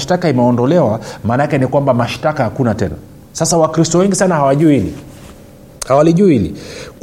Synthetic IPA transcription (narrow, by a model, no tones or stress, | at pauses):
ʃtakaimɛɔndɔlɛwamaːnakɛnikwambamaʃtakahakunatɛna̰ | sasawakɾistɔwɛŋɡisanahawaʄuihilḭ | hawaliʄuihilḭk